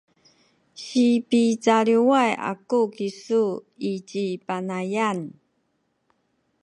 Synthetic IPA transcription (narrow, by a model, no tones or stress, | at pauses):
ɕipit͡saɭiwaja̰kukisu | it͡ɕipanajan